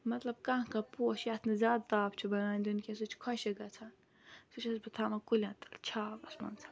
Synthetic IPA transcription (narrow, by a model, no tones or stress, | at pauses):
mɐt̪lɐb̚kãkɐpuːʃjat̪ʰnɐzʲaːd̪̚t̪aːbt͡ʃʰubɐnaːnʲd̪unkʲesɨt͡ʃʰkʰɔʃɐɡɐt͡sʰan | sɨt͡ʃʰɐsbɨt̪ʰaːmɐkulʲãt̪ɐ̥lt͡ʃʰaːbɐsmɐ̰nt͡sʰḁ